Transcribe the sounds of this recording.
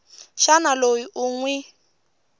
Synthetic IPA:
ʃanaloiʔuŋwɛ

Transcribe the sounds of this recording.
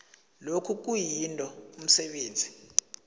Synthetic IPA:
lokʰuk̬ujintʼɔum̩sɛɓeːnd͡zʱi

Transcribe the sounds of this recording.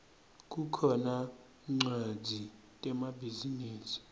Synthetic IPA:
k̬ʼukʰɔna | ŋ͡ǀad͡zʱi | tʼɛmabiziniːsi̥

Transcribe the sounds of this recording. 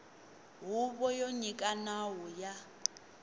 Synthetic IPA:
ɦuβɔjoɲikʼanawɔja

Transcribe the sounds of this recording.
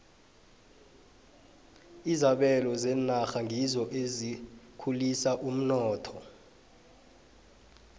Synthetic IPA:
izaɓɛlɔzɛnaxaŋʱizɔʔezikʰulisaʔum̩nɔːtʰɔ

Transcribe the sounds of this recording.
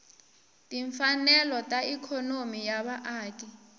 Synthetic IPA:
tʼiɱfanɛlɔtʼaikʰɔnomijaɓaʔaːti

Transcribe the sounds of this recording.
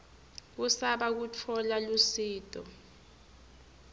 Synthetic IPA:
k̬usaɓak̬ut͡fʰɔlalusiːtʼɔ

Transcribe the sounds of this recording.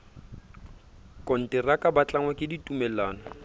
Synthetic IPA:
kʼɔn̩tɪrakʼabat͡ɬaŋwakʼɪditʼumɛlaːnɔ

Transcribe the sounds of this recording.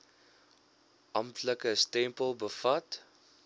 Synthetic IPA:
ʔɐmtʰləkəstɛmpəlˠbəfɐt

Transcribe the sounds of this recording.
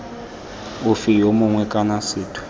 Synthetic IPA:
ʊfijomʊŋwɛkʼanasɪːtʰʊ̥

